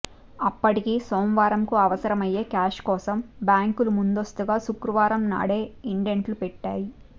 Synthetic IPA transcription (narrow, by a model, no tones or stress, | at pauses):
ɐpːɐʈikiːsoːmʋaːɾɐmkuɐʋɐsɐɾɐmɐje̞ːkaːʃkɔːsɐmbjaːŋkulumund̪ost̪uɡaːʃukɾuʋaːɾɐmna̰ːɽe̞ːiɳɖeɳʈlupɛʈːaːji